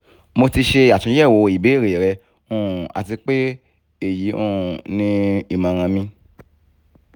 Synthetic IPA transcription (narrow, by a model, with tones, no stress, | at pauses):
mo˧ti˧ʃe˧˨a˨tũ˨˦ɛ˦˨wo˨˧i˨be˨˦i˦˨ɾe˨ɾɛ˧ | ũ˦˨a̰˨ti˧k͡pe˦ | e˦˨ji˨˦ṵ̃˦˨nĩ˦i˦˨mã˧˦ɾ̃ã˧mĩ˦